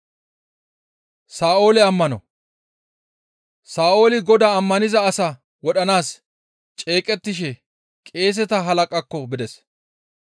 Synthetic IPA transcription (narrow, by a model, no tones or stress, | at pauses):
saːo̞ːlɛɐmːɐnɔ̰ | saːʔo̞ːlɪɡɔd̪aɐmːɐnɪzɐːsɐ | wɔɗɐnaːs | t͡ʃʼe̞ːkʼɛt̪ːɪʃ̬ɛ | kʼe̞ːs̬ɛt̪ɐɦɐlɐkʼɐkːɔbɪd̪ɛs